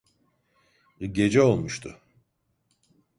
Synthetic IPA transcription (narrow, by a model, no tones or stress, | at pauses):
ɟe̞d͡ʒɛo̞lˠmuʃt̪ʰʊ